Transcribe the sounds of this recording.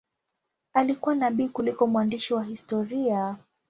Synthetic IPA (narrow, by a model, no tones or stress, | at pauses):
alikuwanaɓiːkulikɔmwandiʃiwaɦistɔɾia